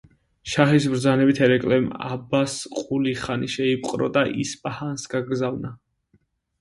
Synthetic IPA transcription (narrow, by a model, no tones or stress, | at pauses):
ʃaχisbɾd̪zanɛbit̪ʰɛɾɛkʼlɛma̰basqʼuliχaniʃɛipʼqʼɾɔ̰d̪aʔḭspʼahansɡaɡzavna